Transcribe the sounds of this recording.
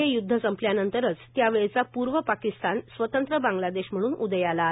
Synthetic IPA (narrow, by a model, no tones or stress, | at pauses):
ejud̪ʱːəsəmpljanənt̪əɾət͡st̪jaʋeɭt͡sapuɾʋəpakist̪ansʋət̪ənt̪ɾəbãŋɡlad̪eɕm̤əɽ̃uːnud̪əjala